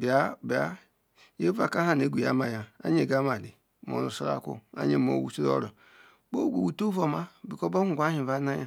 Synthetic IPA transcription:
bi˨a˦bi˨a˦ | je˦va˦˨ka˦a˦˨ne˨˦ɡʷu˨ja̰˨˦ma˨ja˨a̰˦ɲe˨ɡa˦ma˨li˨ | mo̰˨ɾu˨sa˦ɾa̰˦˨˦kṵ˦a̰˦ɲe˦˨mo̰˨wṵ˨su˦ɾo̰˦ɾɔ˨ | bo˦˨ɡʷo˨wu˨to˦vo˦˨ma˦bi˨kɔ˦bo˦hu˨ɡʷa˦hĩ˨va˦na˦ja˨

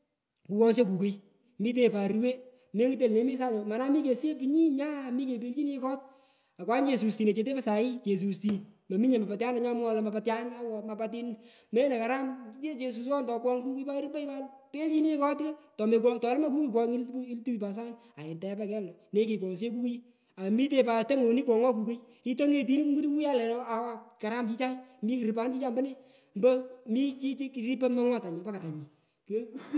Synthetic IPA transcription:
ku˨kɔ˦ŋs̬e˦ku˨ke˦j | mi˦t̬e˨pa˨ɾwe˦ | me˦ŋki˦t̬e˨lne˨˦mi˦sa˦nɔ˨ma˨na˦mi˦ke˨se˦pi˨ɲi˦ɲa˦mi˦ke˨pe˦lt͡ʃi˦ne˦kɔ˦t̚ | a˨kwa˦nt͡ʃe˨su˨sti˨ne˨t͡ʃe˧t̬e˦pa˦sa˨i˦t͡ʃe˨s̬u˨sti˨n | ma˨mi˦ɲe˨ma˨pa˨tja˦na˨ɲa˦m˦ɔ˧la˨ma˨pa˧tja˦na˦wɔ˨ma˨pat̬i˦nme˦ne˨ka˨ɾa˦me˦t͡ʃe˧s̬u˧sɔ˦ntɔ˨kwɔ˦ŋku˦ke˦pa˦ɾi˦pa˦ibalpe˦li˦ne˦kɔ˦ti˦a˦tɔ˨me˨k̬ʷɔ˦ŋtɔ˨˦lma˦ku˦ki˦k̬ɔ˦ŋi˦li˦ltu˦i˨pa˨s̬a˦n | a˨ɪ˨nta˨a˦pa˦kɛ˦lːɔ˨ne˦ki˨kwɔ˨ŋs̬e˦k̬u˦ku˦ | a˨mi˦te˨pa˨te˦ŋo˨ni˦kʷɔ˨ŋɔ˦k̬u˨ke˦j | i˦to˦ŋe˨t̬i˦ni˦ku˦ɡu˦tu˦ku˦ja˦lɛ˨nɔ˦a˨wa˨ka˨ɾa˦mt͡ʃi˦t͡ʃa˦ŋmi˦ki˨ɾi˨pa˨˦nt͡ʃi˦t͡ʃa˦mba˦ne˦ | mbə˦mi˦t͡ʃi˦t͡ʃi˦ki˨ɾi˦pɛ˦ma˦ŋɔ˦ta˨ɲi˨pa˦ka˨ta˨ɲi˨ | ke˦

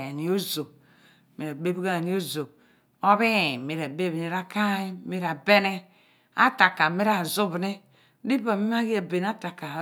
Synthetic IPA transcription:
e˨ni˨˦o˦zo˨ | mi˨ɾa˨be˦bi˦ɡa˦e˨ni˦o˦zo˨ | o˦βi˦˨mi˨ɾa˨be˦βni˨ɾa˦ka˦i˦mi˦ɾa˨be˦ne˦ | a̰˦ta˨ka˨mi˦ɾa˨zu˦bne˦ | di˦ba˨mi˦m˦a˦ɡi˦a˨be˨n˦a˦ta˨ka˨

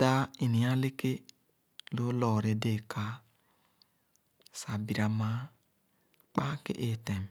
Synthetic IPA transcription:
da˦i˨ni˨ja˦le˦ke˦ | lo˦lɔ˨ɾe˨de˦˨ka˨˦ | sa˨bi˨ɾa˨ma˦ | k͡pa˦kḛ˦ʔe˦te˨m˨

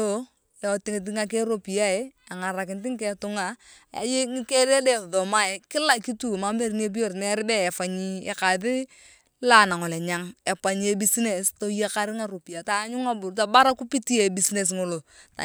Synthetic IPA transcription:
o˦ | a˨o˨tɪ˦ŋɪ˨t̬ɪ˦ŋa˦k̬e˦ɾo˦pi˨a˦e˦ | a˨ŋa˨ɾa˨kɪ˨nt̬ɪ˦ŋ˦kɛ˦tʊ˦ŋa˨ | a̰˨je˦ŋi˦ke˦ɾe˦de˨ðo˨ma˦e˨kɪ˦la˦ki˦tu˦˨ma˦be˦ɾn˦e˦b̬i˦jo˦˨ɾnɛ˦ɾɪ˦bɛ˦ɛ˨fa˨ɲi˦ḛ˨ka˨ðɪ˦ | la˦na˨ŋɔ˨lɛ˨ɲa˦ŋe˨pa˨ɲ˨e˨˦bi˦sne˨sto˦je˦ka˦ɾɪ˦ŋa˦ɾo˨pi˨a˨ta˦ɲʊ˦ŋa˦bʊ˨ɾta˨ba˦ɾa˦ku˦pi˦ti˦e˨bi˨sne˨s̬ŋo˨lo˨ta̰˨

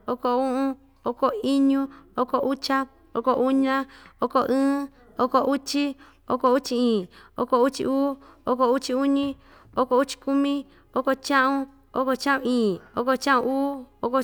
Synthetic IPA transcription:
o˧ko˧˨ũ˦ʔũ˦ | o˦ko˧i˦ɲũ˦o˦ko˧ʔu˦t͡ʃa˦ | o̰˦ko˧ʔu˦ɲã˦o˦ko˧ʔɨ̃ː˦ | o˦ko˧ʔu˦t͡ʃi˦ | o̰˦ko˧u˦t͡ʃi˧ĩː˨o̰˧ko˧u˦t͡ʃḭ˧ʔuː˦o˦ko˧u˦t͡ʃi˧u˦ɲĩ˦ | o˦ko˧u˦t͡ʃi̥˧ku˦mĩ˦ | o˦ko˧t͡ʃã˦ʔũ˧ | o̰˦ko˧t͡ʃã˦ʔũ˧ĩː˨o˦ko˧t͡ʃã˦ʔṵ̃˧uː˦o˦ko˧

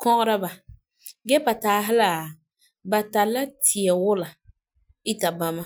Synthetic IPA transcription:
kʰɔ˦ʔɔ˦ɾa˦ba˨ | ɡɛ˦pa˨taː˨˦ɦɪ˦la˨ | ba˨ta˨lːa˦tʰi˨ɛ˨wʊ˦la˨ | ɪ˦ta˨ba˨ma˦

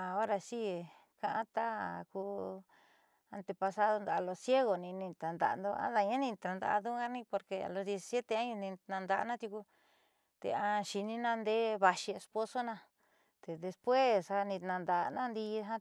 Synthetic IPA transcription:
a˨o˦ɾa˧si˦e˨ | kã˧ʔã̰˦t̪a˦a˨kuː˧ | a˧nt̪e˧pa˧sa˦ðo˧nd̪a˧˨˧lo˧sje˦ɣo˨nĩ˧nĩ˧t̪a˨nd̪a̰˨˧nd̪o˧ã̰˦ða˧ɲã˦nĩ˧t̪ã˧nd̪a̰˧ʔðu˦ɡa˦nĩ˦po˧ɾkḛ˧˨lo˧ðje˧si˧sje˦t̪e˧ã˦ɲũ˧nĩ˧nã˧nd̪a̰˧nã˦t̪ju˧ku˧ | t̪ḛ˧ã˧ʃi˧nĩ˦nã˧nd̪e˦βa˧ʃi˧e˧spo˧so˦nã˧ | t̪e˨ðe˧spwe˦sa˧nĩ˧nã˧nd̪a˧˨˧nã˦nd̪i˧ɦã˦

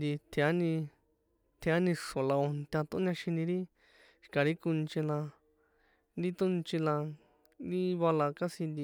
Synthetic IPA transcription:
nd̪i˧t̪ʰa˦nĩ˧ | t̪ʰẽ˧a˦nĩ˧ʂõ˨la˧o˧nt̪ʲã˧t̪õ˧˦nã˧ʃĩ˧nĩ˧ɾi˦ | ʃi̥˧ka˨ɾi˦ku˧nt͡ʃĩ˧lã˧ | nɾi˦t̪ũ˦nt͡ʃĩ˧lã˧ | ɾi˦βa˧la˧ka˦sĩ˧nd̪i˧

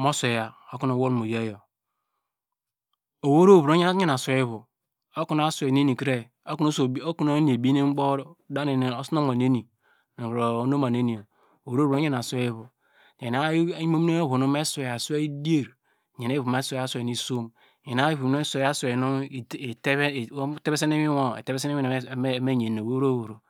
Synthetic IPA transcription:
mo˦se˨ja˨o˦ku˦no˨wo˦ɾmo˨je˦jo˨ | o˨wo˦ɾo˦˨βɾo˦ɲ˦e˦na˨sʷe˨˦i˦βu˨ | o˦ku˨n˨a˦sʷe˨n˦e˦ni˨kɾe˦ | o˦ku˦no˦˨o˦ku˦no˦ni˨e˨bi˦ne˦ŋ͡mɡ͡bo˦da˦n˨o˦sno˦ma˨ne˦ni˨ | n˨ɾo˨˦no˦ma˨ne˦ni˨o˨ | o˨ɾo˦bo˦ɲe˦na˨sʷe˦i˦βu˨ | e˨na˦mo˦e˦o˦βo˨no˦me˦sʷe˨ja˨se˦i˦di˦e˦˨ɾ | ɲe˨ne˦βu˨ma˦sʷa˦sʷni˨so˦m˨ | ɲe˨n˨a˦βu˨˦o˦se˨a˦sʷnu˦˨te˦˨˦te˦be˦se˦ne˦mi˦o˦ḛ˨te˦be˦se˦ne˦mi˦˨˦me˦˨ɲe˨n˨o˨wo˦ɾo˦wo˨ɾo˨

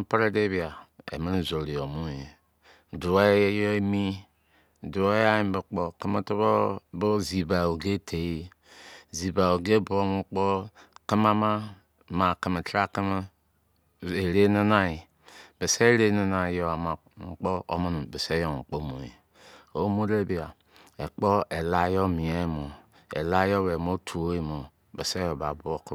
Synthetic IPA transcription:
pɾe˦de˦bi˨a˨ḛ˨mi˦ɾi˦˨zo˨ɾi˨o˨mu˦e˨ | du˨e˦jo˦mi˦˨ | du˨e˦ja˦ji˦m˦bɨ˨k͡po˨kə˦mə˦tu˦bo˦bo˦zi˨ba˨o˨ɡe˦tʰe˨i˦ | zi˨ba˨o˨ɡe˦bo˦ŋu˦k͡po˦kə˦m˦a˦ma˦ | ma˨ki˨mə˨tɾa˦ki˦m˦ | e˨ɾe˦ni˦na˦i˨ | be˨se˦ɾe˦ni˦na˨jo˨a˨ma˨ | k͡po˦o̰˦mo˦nu˨be˨se˦jo˨ŋ˨k͡po˦mo˨ḛ˨ | o˦mo˦de˦bi˨a˨ | e˨k͡po˦e˨la˦jo˦mi˨e˦mo˨ | ḛ˨la˦jo˦we˨mo˦tʰu˨o˦i˦mo˨ | be˨se˦jo˨ba˨bu˦o˦k

